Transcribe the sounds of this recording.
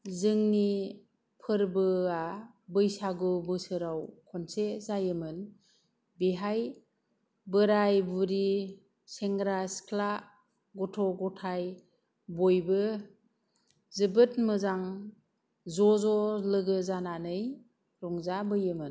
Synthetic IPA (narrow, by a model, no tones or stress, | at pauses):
zɯŋni | pʰɯɾbɯa | bɯjsaɡɯbɯsɯɾawkʰɔnsezajɯmɯn | biɦaj | bɯɾajbuɾi | seŋɡɾaskʰla | ɡɔtʰɔɡɔtʰaj | bojbɯ | zɯbɯtmɯzaŋ | zɔzɔlɯɡɯzananɯj | ɾɔŋzabɯjɯmɯn